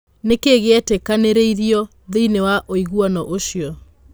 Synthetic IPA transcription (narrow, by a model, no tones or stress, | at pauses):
nekeɣeɛtekaneɾeiɾiɔ | ðeinewaʔoiɣuɔnɔʔoɕjɔ